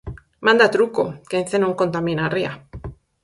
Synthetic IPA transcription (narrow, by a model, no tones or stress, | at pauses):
mãnd̪at̪ɾuko̰keẽnθenauŋkont̪amĩnaria